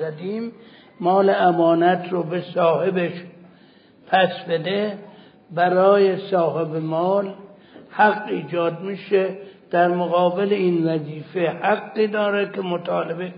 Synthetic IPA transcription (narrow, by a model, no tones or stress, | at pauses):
æd̪iːmː | ɒːleæmɒːnæt̪ʰɾobesɒːhebeʃ | pʰæsbed̪e | bæɾɒːjesɒːhebemɒːl | hæɡːiːd͡ʒɒːd̪̚miːʃed̪̥æɾmoɣɒːbeleiːnvæziːfehæɡːiːd̪ɒːɾekʲemot̪ʰɒːlebe